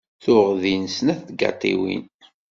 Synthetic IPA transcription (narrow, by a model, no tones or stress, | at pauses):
θʊʁðinsnæθɡɑ̰t̪ˤḭwḭn